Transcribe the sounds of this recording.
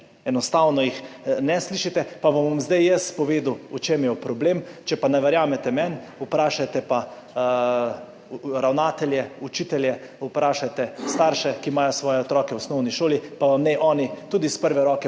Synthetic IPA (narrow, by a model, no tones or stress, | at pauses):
ɛnɔst̪aːwnɔjixnɛsliʃit̪ɛpaʋamʋamzd̪ajjəspɔʋeːd̪uut͡ʃemjɛpɾɔbleːmt͡ʃɛpanɛʋɛɾjaːmɛt̪ɛmɛn | upɾaːʃat̪ɛpa | ɾawnaːt̪ɛlʲjɛut͡ʃiːt̪ɛljɛ | upɾaːʃat̪ɛst̪aɾʃɛkimaːjɔsʋɔːjɛɔt̪ɾɔːkɛwɔsnɔwniʃoːlipaʋamnɛʔɔːnit̪uːd̪ispəɾʋɛɾɔːkɛ